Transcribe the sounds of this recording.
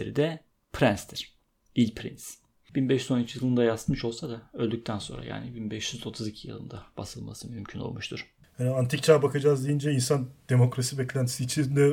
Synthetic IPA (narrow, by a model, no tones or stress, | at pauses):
eɾḭd̪ɛ | pʰɾænst̪ʰiɾ̥ | ilʲpʰɾḭns | b̥inbɛʃyzo̞nyt͡ʃʰijɯlˠɯnd̪ajasmɯʃo̞lˠsad̪aølʲd̪yc̚t̪ʰænso̞̰nɾa̰ja̰ːnibinbɛʃjyzo̞t̪ʰuzicʰijɯlˠɯ̰nd̪ab̥asɯlˠma̰sɯmymcʰyno̞̰lˠmuʃt̪ʰuɾ̥ | haniant̪ʰik̚t͡ʃʰaːbakʰad͡ʒazd̪ejind͡ʒɛinsand̪̥e̞mo̞kɾasibɛclʲænt̪i̥siːt͡ʃʰind̪ɛ